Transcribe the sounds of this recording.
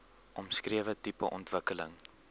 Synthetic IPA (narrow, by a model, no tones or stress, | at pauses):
ʔɔmskriəvətipə̰ʔɔntvəkələ̰ŋ